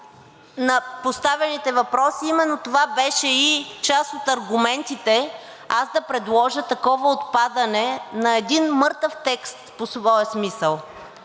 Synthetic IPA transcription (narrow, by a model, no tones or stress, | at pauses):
nɐpost̪avɛnit̪ɛvɐpɾɔsiimɛnːot̪ovabɛʃɛit͡ʃasot̪ɐɾɡʊmɛnt̪it̪ɛ | azd̪ɐpɾɛd̪lˠɔʒət̪ɐkɔvəot̪pad̪ɐnɛnɐɛd̪inmɤɾt̪əft̪ɛkst̪posvɔjəsmisəlˠ